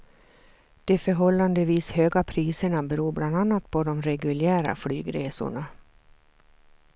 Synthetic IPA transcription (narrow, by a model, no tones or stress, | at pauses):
d̪̥ɛfœɾɦɔlːand̪əviːshøːɡapʰɾiːsəɳabɛɾuːɾbland̪anːat̪̚pʰɔd̪ɔmɾɛɡɵljæːɾa̰flyːɡɾeːsʊ̰ɳa